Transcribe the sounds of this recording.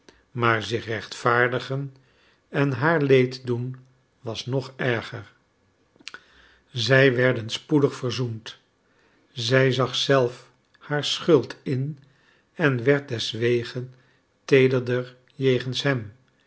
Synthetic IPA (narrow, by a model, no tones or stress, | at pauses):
maːɹzɪχrɛχtfaːɹdəχən | ɛnɦaːɹlejtdun | ʋɑsnɔχɛɹχəɹ | zɛjʋɛɹdənspudəχfəɹzunt | zɛjzɑχsɛlˠf | haːɹsχɵlˠtʰɪn | ɛnʋɛɹt̚dɛsʋejχən | tejdəɹdəɹ | jejχənsɦɛm